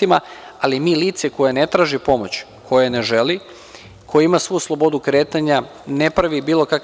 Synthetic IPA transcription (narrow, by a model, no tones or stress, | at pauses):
imaalimiːliːt̪seko̞jenet̪ɾaːʒipo̞mo̞t͡ɕ | kʰo̞jeneʒeli | kʰo̞jeimasʋojuslˠo̞bo̞d̪ukɾeːt̪aɲa | nepɾaʋibiːlˠo̞kak